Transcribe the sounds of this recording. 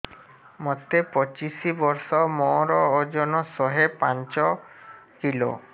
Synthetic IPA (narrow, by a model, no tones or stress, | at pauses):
mɔt̪ːepɔt͡ʃisibɔɾsɔmɔɾɔːd͡ʒɔnɔsɔɦepant͡ʃɔkilo̰